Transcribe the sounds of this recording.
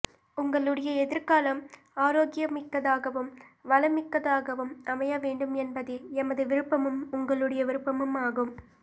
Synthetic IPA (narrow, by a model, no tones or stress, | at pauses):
ʊŋɡɐɭɯɽɐjɐɛðɪɾkaːlɐm | aːɾoːɡɪjɐmɪkːɐðaːɣɐʋɯmʋɐlɐmɪkːɐðaːɣɐʋɯmʔɐmɐjɐʋeːɳɖɯmɛnbɐðɯɛmɐðɯʋɪɾɯpːɐmɯmʊŋɡɐɭɯɽɐjɐʋɪɾɯpːɐmɯmaːɣɯm